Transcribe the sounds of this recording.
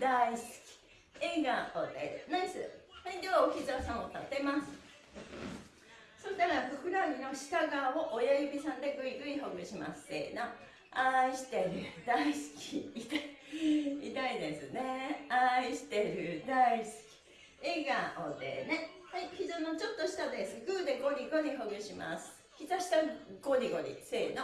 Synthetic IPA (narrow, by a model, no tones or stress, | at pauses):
d̪aisɨ̥kʲi̥ | eɡaod̪ḛnãnesɨhaid̪eβaoçʲizasãɰ̃ot̪at̪e̞masɨ̥ | sot̪aɾabɯkɯ̟ɾaɾʲino̞ɕi̥kaɡaːoʔojajibʲisãnd̪e̞ɡɯ̟iɡɯ̟iɦoɡɯ̟ɕima̰sɨ̥t̪ḛno | aiɕi̥t̪e̞ɾɯ̟d̪aisɨ̥kʲiit̪aiit̪aid̪e̞sɨne̞aiɕi̥t̪eɾɯ̟d̪aisɨ̥kʲi̥ | eɡaod̪e̞̰ne̞haiçizɨːnot͡ɕo̞t̪ːoɕi̥t̪ad̪esɨɡɯːd̪e̞ɡo̞ɾʲiɡoɾʲiɦoɡɯ̟ɕima̰sɨ̥ | çʲit̪aɕi̥t̪aɡo̞ɾʲiɡo̞ɾʲḭse̞ːno